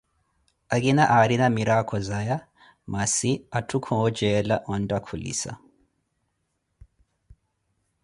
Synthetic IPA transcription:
aɣinaʔaɾinamiɾakʰɔzaja | masiatʰukʰɔɔd͡ʒɛlaʔɔndakʰulḭsa̰

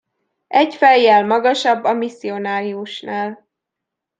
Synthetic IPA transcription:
ɛɟfɛjːɛlmɒɡɒʃɒbːɒmisːio̞naːɾiuʃnaːl

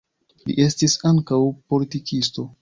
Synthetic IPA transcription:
lḭʔe̞stisaŋkawpo̞litikisto̞

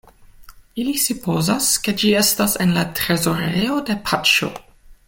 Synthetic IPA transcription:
ilisupo̞zaske̞d͡ʒie̞stasenlatɾe̞zo̞ɾejode̞pʰat͡ʃo̞̰

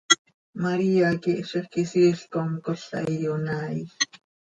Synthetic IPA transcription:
maɾiːakiʔʃiχkisiːɬkoŋkoɬa̰jjonaːi

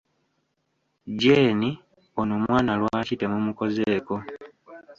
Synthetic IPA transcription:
ɟeːni | onoːmwaːnalwaːcite̞mumuko̞zeːko̞

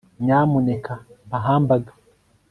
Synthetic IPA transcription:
ɲaːmunɛkambaɦaːmbaɡa

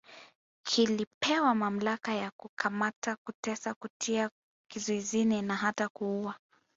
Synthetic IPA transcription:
kʰilipɛwamam̩lakajakukʰamatakutɛsakutʰia | kizɔizininaɦatakuua

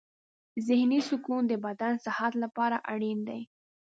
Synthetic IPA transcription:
zɪhnisʊkund̪əbad̪ansahat̪lapɑɾaʔaɽind̪aj

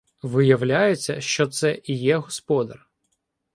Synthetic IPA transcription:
ʋɪjɐwlʲajet͡sʲːɐ̰ʃt͡ʃɔt̪sɛijɛɦɔspɔd̪ɐ̰r

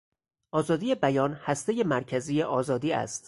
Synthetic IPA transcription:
ʔɒːzɒːd̪iːje̞bæjɒːnhæst̪e̞je̞mæɾcʰæziːjeʔɒːzɒːd̪iːæ̰st̪

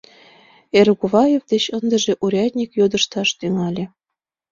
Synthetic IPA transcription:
erɣuβɑjevd̪et͡ɕɤnd̪ə̆ʒĕʔuɾʲɑt̪ʲnʲikjod̪ə̆ʃt̪ɑʃt̪yŋɑlʲĕ

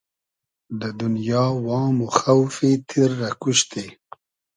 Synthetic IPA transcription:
d̪əd̪ʊnjɑwɑːmoxawfit̪ʰiɾːakuʃt̪e

